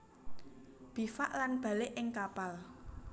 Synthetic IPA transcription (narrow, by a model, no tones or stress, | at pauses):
b̥i̤faʔlanb̥ä̤lɪʔɪŋkapal